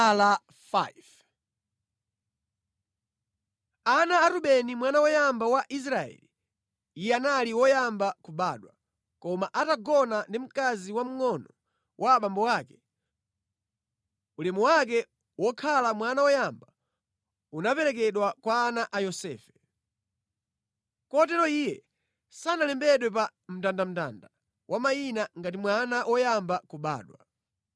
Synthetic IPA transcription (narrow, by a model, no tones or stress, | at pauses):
la | fav | anaːɾuɓɛnimwanawɔjambawaʔis̬ɾaɛ̰li | ijɛanaliwɔjambakubaːɗwa | kɔmaʔataɡɔnandim̩kaziwam̩ŋɔnɔ | wʔaɓambɔwaːkɛ | ulimuwak̬ɛ | wɔkʰalamwanawɔjamba | unapɛɾɛk̬ɛɗwakwaːnaʔajɔsɛ̰ːfɛ̥ | kɔɔt̬ɛɾɔijɛ | sanalɛmbɛɗwɛpam̩tandam̩ta̰nda | wʔamajinaŋɡat̬imwanawɔjambakuɓa̰ːɗwa